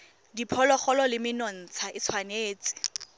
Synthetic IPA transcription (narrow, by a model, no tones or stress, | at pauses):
dipʰɔlɔχɔlɔlɪmɪnɔn̩t͡sʰaʔɪt͡sʰwaneːt͡sʼɪ̥